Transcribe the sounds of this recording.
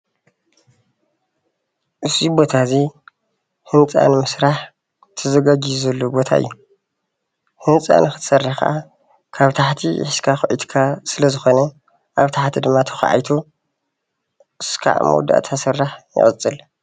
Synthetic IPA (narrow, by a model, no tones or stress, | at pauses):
ʔɨsibo̞t̪ʰazi | hɨnt͡sʼa̰nɨmɨsɾaħ | t̪ʰɐzɐɡad͡ʒizɐlːobo̞t̪ʰa̰ʔɨ̰jːu | hɨnt͡sʼa̰nɨxɨt̪ʰsɐrːaħkʰɐ̰ʔa | kʰaβt̪ʰaħt̪ʰḭħɨskʰaxɨʔid̪kʰasɨlɐzɨxo̞nɐ | ʔaβt̪ʰaħt̪ʰid̪ɨmːat̪ʰɐ̥xʕa̰jt̪ʰu | ʔɨskʰa̰ʕmṵd̪a̰ʔt̪ʰasɨrːaħjɨ̰ʔʼɨt͡sʼɨl